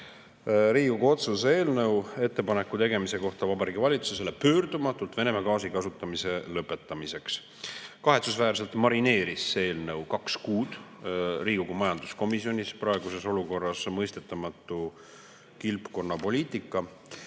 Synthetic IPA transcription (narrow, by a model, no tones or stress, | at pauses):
ɾiːɡuɡuo̞t̪susee̞ːlnɤwe̞t̪ːe̞pɑnekːˑut̪e̞ɡe̞mise̞ko̞ht̪ɑvɑbɑɾiːɡivɑlʲit̪su̥sus̬elepø̞ːrd̪̥umɑt̪ːˑult̪ve̞ne̞mɑkɑːsikɑsut̪ːˑɑmise̞lɤpːˑe̞t̪ːˑɑmise̞ks | kɑɦe̞t̪susvæːrs̬e̞lt̪mɑɾine̞ːɾisːee̞ːlnɤwkɑkskuːd̪̥riːɡ̥uɡumɑjɑnd̪̥usko̞misio̞nʲispɾɑe̞ɡ̥use̞so̞luko̞rːɑsmɤjst̪e̞t̪ːˑɑmɑt̪ːˑu | kilpko̞nːɑpo̞liːt̪ˑikːˑɑ